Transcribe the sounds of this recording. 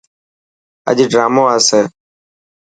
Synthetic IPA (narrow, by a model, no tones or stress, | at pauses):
ə̰ʄɖɾaːmoːəːseː